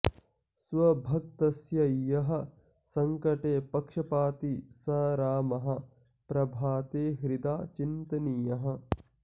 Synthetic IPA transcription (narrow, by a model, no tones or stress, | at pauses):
sʋɐbʱɐk̚t̪ɐsjɐjɐɦɐ̆ | sɐŋkɐʈeːpɐkʂɐpaːt̪isɐɾaːmɐɦɐ̆ | pɾɐbʱaːt̪eːɦɾid̪aːt͡ʃint̪ɐnijɐɦɐ̆